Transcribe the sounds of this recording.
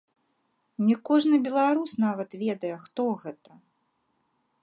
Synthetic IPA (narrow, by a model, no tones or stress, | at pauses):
nʲɛkɔʐnɨbʲɛlˠaɾusnavɐt̪vʲɛd̪ɐjɛxt̪ɔɣɛt̪ɐ